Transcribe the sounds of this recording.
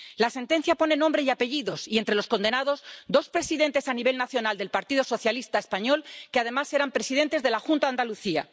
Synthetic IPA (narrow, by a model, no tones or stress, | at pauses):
lase̞nt̪e̞n̟θjapo̞nenːõmbɾeiape̞ʝiðo̞sie̞nt̪ɾe̞lo̞sko̞nd̪e̞nað̞o̞zd̪o̞spɾe̞siðẽ̞nt̪e̞saniβe̞lnaθjo̞nald̪e̞lpaɾt̪iðo̞so̞θjalist̪aespaɲo̞lkeaðe̞mase̞ɾampɾe̞sið̞e̞nt̪e̞zðe̞laxunt̪aand̪aluθia̰